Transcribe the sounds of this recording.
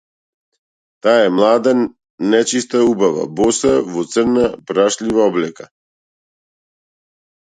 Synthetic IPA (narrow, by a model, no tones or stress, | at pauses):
t̪aɛmlˠad̪ɛn | nɛt͡ʃist̪aubava̰bɔsavɔt̪sərnapɾaʃlivaɔblɛka